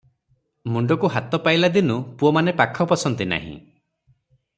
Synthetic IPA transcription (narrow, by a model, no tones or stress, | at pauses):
muɳɖɔkuɦat̪ɔpajlad̪inupuɔmanepakʰɔpɔsɔnt̪ina̰ɦḭ̃